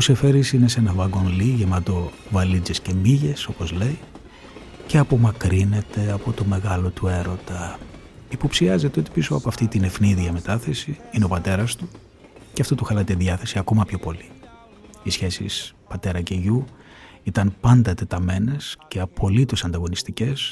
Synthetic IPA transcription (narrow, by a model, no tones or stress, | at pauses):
use̞fe̞ɾisine̞se̞nɐvɐɡo̞nliʝe̞mɐt̪o̞ | vɐlid͡zesce̞miʝe̞so̞po̞zle̞i | ceɐpo̞mɐkɾine̞t̪e̞ɐpo̞t̪o̞me̞ɣɐlo̞t̪ue̞ɾo̞t̪ɐ | ipo̞psiɐze̞t̪e̞o̞t̪i̥piso̞ɐpoɐft̪it̪ine̞fniðiɐme̞t̪ɐθe̞siineo̞pɐt̪e̞ɾɐst̪u | ceɐft̪ot̪uxɐlɐt̪eðʝɐθe̞siɐko̞mɐpço̞po̞li | isçe̞sḭspɐt̪e̞ɾɐce̞ʝu | it̪ɐnpɐnd̪ɐt̪e̞t̪ɐme̞ne̞sceɐpʰo̞lit̪o̞sɐnd̪ɐɣo̞nist̪ice̞s